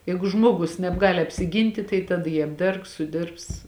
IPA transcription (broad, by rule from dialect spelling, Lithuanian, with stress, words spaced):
ˈjɛɪɡʊ ˈʒmoːɡʊs nʲɛbˈɡɑːlʲɪ ɐpʲsʲɪˈɡʲiːnʲtʲɪ tɐɪ tɐˈdɐ jiː ɐbʲˈdʲɛrks sʊˈdʲɪrps